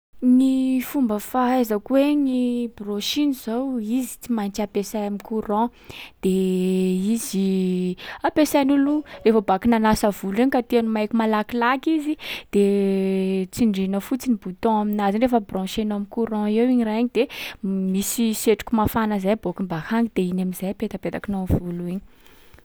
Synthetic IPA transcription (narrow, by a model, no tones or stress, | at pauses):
nifumbəfaazəkweɲibrɔ̃ʃiniz̥awizi̥t͡simajnt͡siapesajamikuɾɔ̃ | d̪̥e | izi | apesajnulurefəbakinanasəvuliɲkat̪ianumajkʲumalakilakizid̪̥e | t͡siɳɖ͡ʐinəfut͡sinibut̪ɔ̃aminazinɖ͡ʐefəbrɔ̃ʃenoamikuɾɔ̃ewiɲiraɲid̪emisiseʈ͡ʂu̥kʲumafanəzajbokimbahaŋɡid̪̥einamizajpet̪apet̪akinovuluiɲi̥